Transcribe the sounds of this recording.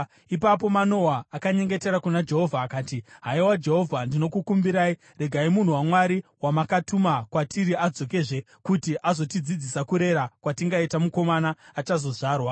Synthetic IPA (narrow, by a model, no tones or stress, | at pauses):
ipap̬o̞mano̞waːkaɲe̞ŋɡe̞te̞ɾakunad͡ʒe̞ɦo̞vʱaːkaːtiɦaiwad͡ʒe̞ɦo̞vʱandino̞kukumbiɾai | re̞ɡʱaimun̤uwamwaɾiwamakatumakwatʰiɾiad͡zo̞ke̞ʐe̞ | kutiʔazo̞tid͡zid͡zisakuɾe̞ɾakwatiŋɡaitamuko̞manaːt͡ʃazo̞ʐaːrwa